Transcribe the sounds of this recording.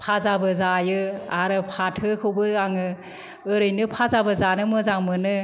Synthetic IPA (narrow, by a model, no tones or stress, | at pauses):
pʰazabɯzajɯaɾɯpʰatʰɯkʰɯwbɯaŋɯ | ɯɾɯjnɯpʰazabɯzanɯmɯzaŋmɯnɯ